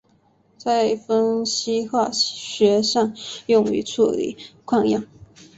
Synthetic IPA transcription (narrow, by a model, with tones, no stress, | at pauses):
t͡sa˥˩ɪfə˥nɕi˥xwa˥˩ɕɥɛ˧˥ʂɑ˥˧ŋjʊ˥˩ŋy̰˧˥t͡sʰu˥˩lḭ˨˩˦kʰwɑ˥˧ŋjɑ˥˩ŋ